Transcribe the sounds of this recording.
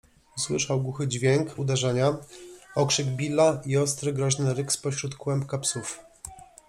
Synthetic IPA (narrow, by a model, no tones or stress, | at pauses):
uswɘʂawɡuxɘd͡ʑvʲjeŋkud̪ɛʐɛɲa | ɔkʂɘɡbʲilːaiɔst̪ɾɘɡɾɔʑnɘɾɘkspɔɕɾut̪kwɛmpkapsuf